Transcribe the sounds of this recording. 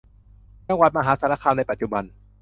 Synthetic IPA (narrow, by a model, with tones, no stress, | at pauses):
t͡ɕa˧ŋwa˨˩t̪̚ma˧ɦaː˩˦saː˨˦˥na˧kʰaː˧na˧jpa˨t̪̚t͡ɕu˧ba˧n